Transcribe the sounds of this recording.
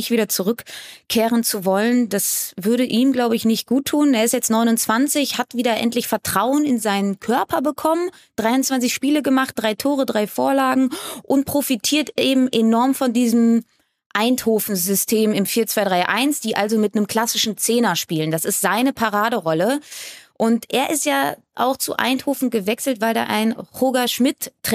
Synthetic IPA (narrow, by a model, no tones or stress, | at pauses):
ɪçtviːɾɐt͡suʁʏkkʰːeːʁənt͡suvɔləndasvʏɐɾəʔiːmɡlaʊbəɪçnɪçt̚ɡ̥uːtʰːuːneːɐɪstjɛt͡stnɔʏnʊnt͡sv̥ant͡sɪçhatv̥iːdɐʔɛ̰ntlɪçfɛɐtʁ̥aʊənɪnzaɪnənkʰœɐpɐbəkʰɔmən | d̥ʁaɪʊntt͡sv̥ant͡sɪçʃpiːləɡəmaχt̚d̥ʁaɪtʰoːʁədʁaɪfoːɐlaːɡŋ̩ʔʊntpʁ̥ofitʰiːɐteːbm̩ʔenɔɐmfɔndiːzəm̩ | ʔaɪnthoːfn̩zʏstʰeːmɪmfiːɐt͡sv̥aɪdʁaɪʔa̰ɪnsd̥iːʔalzomɪtnəmkʰl̥asɪʃn̩t͡seːnɐʃpiːləndasɪstz̥aɪnəpʰaʁaːdəʁɔləʔʊntʔeːɐʔɪstjaː | ʔa̰ʊxt͡sṵʔa̰ɪnthoːfn̩ɡəvɛksl̩tvaɪlda̰ːʔaɪnʁoːɡaʃmɪtː